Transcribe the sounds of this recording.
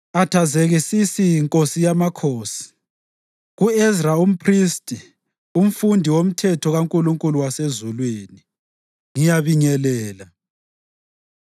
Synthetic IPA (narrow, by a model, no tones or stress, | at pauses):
atʰazeɣisisijiŋkʼosijamakʰoːsi̥ | ɣuɛzraum̩pʰristʼi | um̩fundʱiwom̩tʰɛtʰɔɣaŋkʼuluŋkʼuluwasezulwiːni | ŋijaβiɲɛlɛːla